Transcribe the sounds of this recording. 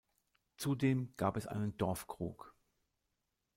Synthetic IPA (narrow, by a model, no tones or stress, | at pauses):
t͡sudeːmɡ̥aːpɛsʔa̰ɪnəndɔɐfkʁ̥ṵːk